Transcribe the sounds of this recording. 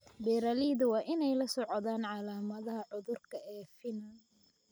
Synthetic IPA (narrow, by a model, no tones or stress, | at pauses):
bɛːɾaliːðʊwɑːʔɪnɛjlɐsɔʕɔðaːnʕɑlaːmɐðɐɦɐʕʊðʊrkʰɐɛːfɪnɐn